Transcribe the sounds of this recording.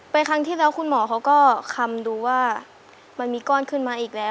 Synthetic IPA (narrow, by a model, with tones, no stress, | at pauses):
pa˧jkʰa˧˥ŋt̪ʰiː˥˩lɛː˦˥wkʰu˧nmɔː˩˦kʰa˦˥wkɔː˥˩kʰa˧mduː˧waː˥˩ | ma˧nmiː˧kɔː˥˩nkʰɯ˥˩˨nmaː˧ʔiː˨˩k̚lɛː˨˦˥w